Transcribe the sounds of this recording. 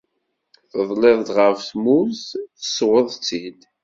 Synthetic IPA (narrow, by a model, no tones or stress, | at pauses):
θəðˤleðˤd̪ʁəfθmuzθəswəðˤt͡sːid̪